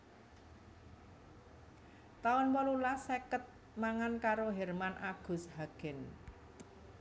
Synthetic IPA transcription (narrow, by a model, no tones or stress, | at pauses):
t̪aɔnwɔlulasekət̪̚ | maŋankaɾoɦɛrmanʔaɡ̥ʊ̤sɦaɡ̥ɛ̤n